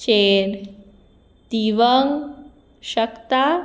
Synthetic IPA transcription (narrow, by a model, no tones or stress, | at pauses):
t͡ɕeɾ | t̪iʋəŋ | ɕəkt̪a